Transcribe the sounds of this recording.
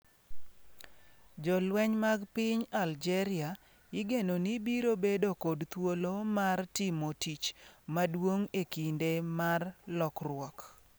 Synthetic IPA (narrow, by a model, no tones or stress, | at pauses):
d͡ʒɔlwɛɲmaɡpɪɲald͡ʒɛɾɪa | ɪɡenonibiɾobedokodt̪wolomartɪmotit͡ʃmadwoŋekindemarlɔkrwɔk